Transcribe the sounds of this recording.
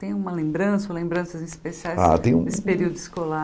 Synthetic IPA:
t̪ẽj̃ũmɐlẽbɾɐ̃sɐolẽmbɾɐ̃sɐzĩspesiaja̰t̪ẽj̃ṵ̃nessɪ̥peɾiwd̪ʊiskola

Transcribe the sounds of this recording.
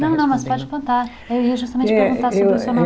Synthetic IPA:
nɐ̃w̃nɐ̃w̃mɐspɔd͡ʒpõnt̪aɾ | ɛiʒuʃt̪ɐmẽt͡ʃppeɾɣũnt̪aɾsɾesoɐnɐ̃

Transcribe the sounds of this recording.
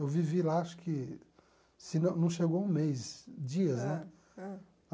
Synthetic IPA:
ewvivilaaʃʊ̥kɪ | sɪnɐ̃w̃nɐ̃w̃ʃeɡowũmejzd͡ʒiɐznɛ

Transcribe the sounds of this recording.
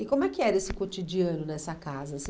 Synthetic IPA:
ɪkõmʊɛkɪɛɾɐesɪkot͡ʃid͡ʒiɐ̃nʊnɛsɐkazɐsĩ

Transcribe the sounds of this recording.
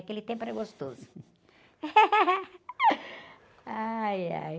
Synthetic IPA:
kelɪt̪ẽj̃pɐɾɐɡost̪oz | aja̰j

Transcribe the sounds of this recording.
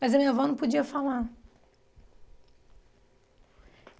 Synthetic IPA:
mɐzɐmĩɲɐvɔnɐ̃w̃pud͡ʒiɐfalaɾ

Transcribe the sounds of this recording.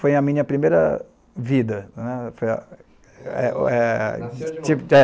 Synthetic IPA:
fojɐmĩɲɐpɾimejɾɐ̰ | vid̪ɐnɛfojɐ̰ | ɛɛ | t͡ʃiɛ

